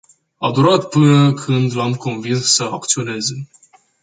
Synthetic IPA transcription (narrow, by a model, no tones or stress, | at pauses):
ad̪uɾat̪pɨnəkʰɨnd̪lamko̞nvinssəak̚t̪sio̞ne̞ze̞